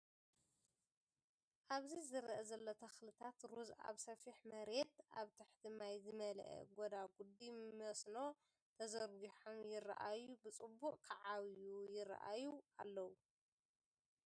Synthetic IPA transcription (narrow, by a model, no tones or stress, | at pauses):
ʔaβzizɨɾʔɐzɐlːot̪ʰɐxlɨt̪ʰat̪ɾuza̰βsɐfiħmɐɾe̞t̪ʔa̰βt̪ʰɨħd̪ɨmajzɨmɐlʔɛ̰ɡod̪aɡud̪imːɐsno̞ | t̪ʰɐzɐɾɡiħomjɪra̰ʔajubɨt͡sʼɨbːuqʼkʰɐʕawjujɪra̰ʔa̰jua̰lːɐwu